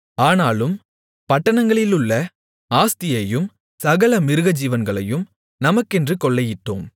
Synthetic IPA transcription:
aːnaːlɯm | pɐʈːɐnɐŋɡɐɭɪlɯɭːɐ | aːst̪ɪjɐjɯm | sɐɣɐlɐmɪɾɯɣɐd͡ʒiːʋɐnɡɐɭɐjɯm | nɐmɐkːɛndrɯkɔɭːɐjɪʈːo̰ːm

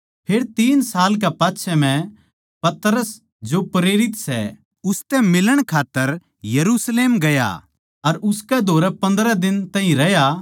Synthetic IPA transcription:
pʰeːɽt̪iːnsaːlk̬ɛpaːtːʃʰɛm̤ɛ̃ | pɐt̪ɾəs | d͡ʒopɾeːɾɪt̪sɛ̰ | ʊst̪ɛmɪləɽ̃kʰaːt̪ːəɾ | jɐɾuːsleːmɡɐja̰ | ɐɾʊskɛd̪ʱoːɾɛpɐ̃nd̪ɾɛd̪ɪnt̪ɛ̃ɦĩɾɐja

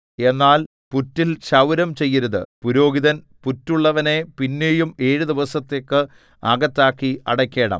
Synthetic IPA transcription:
e̞nːaːl | putːilɕɐwɾɐmt͡ɕe̞jːɐɾuðɨ̰puɾo̞ːɡiðɐn | putːuɭːɐʋɐne̞pinːe̞ːjume̞ːɻud̪iʋɐsɐt̪ːe̞ːkːɨ | ɐɡɐt̪ːaːkːiɐ̰ɽɐkʲːe̞ːɽɐ̰m

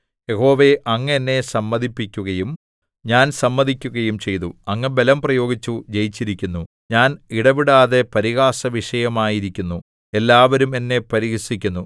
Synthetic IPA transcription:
je̞ho̞ːʋe̞ʔɐŋːɐnːe̞sɐmːɐðʱipːikʲːuɣɐjum | ɲaːnsɐmːɐðʱikʲːuɣɐjumt͡ɕe̞jt̪uɐŋːɐbelɐmprɐjo̞ːɡit͡ɕːud͡ʑe̞jit͡ɕːiɾikʲːunːu | ɲaːniɽɐʋiɽaːðe̞pɐɾiɣaːsɐʋiʂɐjɐmaːjiɾikʲːunːu | e̞lːaːʋɐɾume̞nːe̞pɐɾiɣɐsikʲːunːu

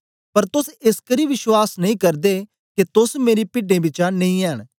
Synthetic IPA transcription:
pəɾt̪ʊsɪskəɾiːʋɪʃwaːsnəĩːkəɾd̪e | ket̪ʊsmeːɾipɪɖẽːbɪt͡ʃanɐĩːɛːɦəɽ

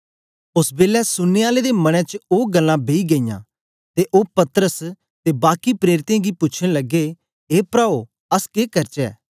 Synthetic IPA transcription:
ʊsbeːlɛsʊnːeaːled̪emɐɽ̃ɛ̃t͡ʃəoːɡɐlːãbeːiɡɐijã̰ː | t̪eʔoːpɐt̪ɾəs | t̪ebaːkipɾeːɾɪt̪ãɡipʊːt͡ʃʰɽ̃elɐɡe | ɦeːpɾaːo | ɐskeːkɐɾt͡ʃɛ̰ː

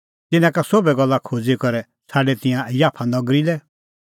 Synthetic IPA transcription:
t̪ɪnãkasobɛɡɔlːakʰoːd͡zikɔɾɛ | sʰaːɖɛt̪ɪ̃jãjaːpʰanɔɡɾilɛ

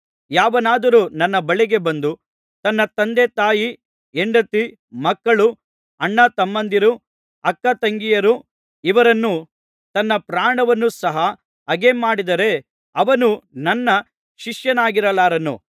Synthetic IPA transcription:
jaːʋɐnaːd̪ɐɾuːnɐnːɐbɐɭiɡe̞bɐnd̪u | t̪ɐnːɐt̪ɐnd̪et̪aːji | eɳɖɐt̪i | mɐkːɐɭu | ɐɳːɐt̪ɐmːɐnd̪iɾu | ɐkːɐt̪ɐŋɡijɐɾu | iʋɐɾɐnːu | t̪ɐnːɐpɾaːɳɐʋɐnːusɐɦɐ | ɐɡe̞maːɽid̪ɐɾe̞ | ɐʋɐnunɐnːɐ | ʃiʂjɐnaːɡiɾɐlaːɾɐnṵ

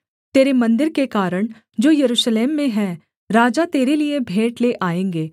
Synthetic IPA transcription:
t̪eːɾemɐ̃nd̪ɪɾkekaːɾəɽ̃ | d͡ʒoːjɐɾuːʃleːmːẽɦɛ̃ː | ɾaːd͡ʒat̪eːɾeliebʱeːʈleʔaːẽːŋɡeː

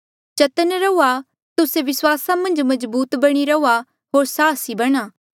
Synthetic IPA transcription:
t͡ʃɐt̪ənɾɐua | t̪ʊseʋɪswaːsamɐ̃nd͡ʒmɐzbuːt̪bɐɽ̃iɾɐua | ɦoːɾsaːsibɐɽ̃aː

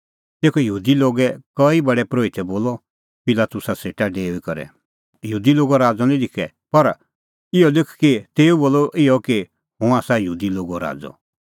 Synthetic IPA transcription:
t̪eːkʰɔjəɦuːd̪iloːɡɛkɐibɐɽɛpɾoːit̪ʰɛboːlɔ | pɪlaːt̪ʊsaseːʈaɖeːuikɔɾɛ̰ | jɦuːd̪iloːɡɔɾaːd͡zɔnĩlɪkʰɛ | pɐɾ | ɪjɔlɪkʰkit̪eːuboːlɔʔɪɔke | ɦũaːsajəɦuːd̪iloːɡɔɾa̰ːd͡zɔ̰

